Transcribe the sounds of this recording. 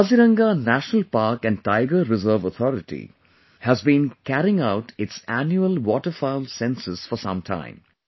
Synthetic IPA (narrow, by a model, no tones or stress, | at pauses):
ʌziɾʌ̃ŋɡanæʃnəlpaɾkæ̃nɖ̚ʈaɪɡəɾɪzəɾʋət̪ʰɔɾɪʈḭ | hæzbĩnkæɾɪ̃ŋaʊʈɪtsænjuəlwɔːʈəfaɪlsɛ̃nsɪsfɔsʌ̰̃mtʰã̰ɪ̃m